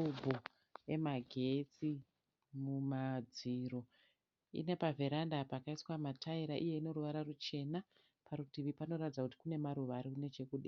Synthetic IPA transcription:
ubʱo | e̞maɡʱe̞t͡si | mumad͡ziro̞ | ḭne̞pavʱeɾandapakaiswamatʰaiɾaʔije̞ino̞ruʋaɾarut͡ʃe̞na | paɾutiʋipano̞ratid͡zakuti̥kune̞maɾuʋaɾikune̞t͡ʃe̞kuɗi

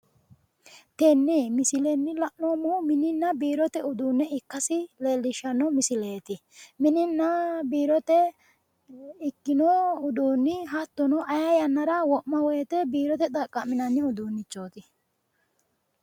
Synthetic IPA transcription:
t̪ɛnːɛmɪsɪlɛnːɪlɐʔnoːmumɪnɪnːɐbiːɾɔt̪ɛʊd̪uːnːɛɪkːɐsɪleːlːɪʃɐnɔmɪsɪleːt̪ɪ | mɪnɪnːɐbiːɾɔt̪ɛ | ɪkːɪnoʊd̪uːnːɪɦɐt̪ːɔnɔʔɐjɐjɐnːɐɾɐwɔʔmɐwɔjɛt̪ɛbiːɾɔt̪ɛt̪ʼɐkʼːɐmɪnɐnːɪʊd̪uːnːɪt͡ʃːo̞ːt̪ɪ

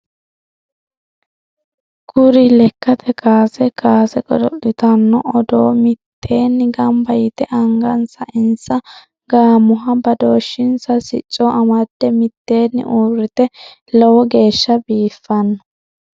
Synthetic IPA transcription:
ɡʊɾɪlɛkːɐt̪ʰɛkaːsɛkaːsɛkʼɔd̪ɔʔɪt̪ɐnːɔʔɔd̪oːmɪt̪ʰːe̞ːnːɪɡɐmbɐjɪt̪ɛʔɐŋɡɐnsɐʔɪnsɐ | ɡaːmʊɦɐbɐd̪oːʃːɪnsɐsɪt͡ʃʼːɔʔɐmɐd̪̥ːɛmɪt̪ːe̞ːnːɪ̰ʔuːrɪt̪ɛ | lɔwɔɡe̞ːʃːɐbiːfːɐnːɔ

